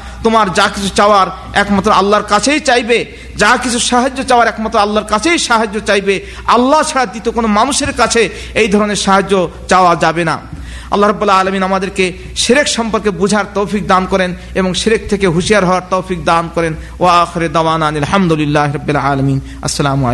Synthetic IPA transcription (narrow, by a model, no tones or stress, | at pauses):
t̪omaɾd͡ʑakit͡ɕʰut͡ɕaoaɾ | ɛkmat̪ːɾoalːaɾkat͡ɕʰejt͡ɕajbe | d͡ʑakit͡ɕʰuʃaɦad͡ʑːot͡ɕaoaɾɛkmat̪ːɾoalːaɾkat͡ɕʰejʃaɦad͡ʑːot͡ɕajbe | alːat͡ɕʰaɽad̪it̪okonomanuʃeɾkat͡ɕʰe | ejd̪ʱɔɾoneɾʃaɦad͡ʑːot͡ɕaoad͡ʑabena̰ | ɐ̰lːaɦɾɔbːulaːlaminamad̪eɾke | ʃeɾekʃɔmpoɾkebud͡ʑʱaɾt̪owfik̚d̪ankɔɾen | eboŋʃeɾek̚t̪ʰekeɦuʃijaɾɦɔoaɾt̪owfik̚d̪ankɔɾen | oaaxeɾed̪awanaːnilħamd̪olilːaɦeɾɔbːilaːlamin | ɐ̰sːɐlamo̰le